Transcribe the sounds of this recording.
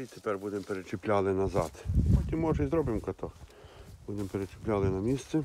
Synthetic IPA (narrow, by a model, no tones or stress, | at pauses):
it̪epɛrbud̪empeɾet͡ʃɪplʲalˠɪnɐzɑt̪pɔkʲimɔʒɐjzɾɔbɪmkɐt̪ɔxb̥ud̪empeɾet͡ʃɪ̥plʲalˠɪnɐmʲist̪sɛ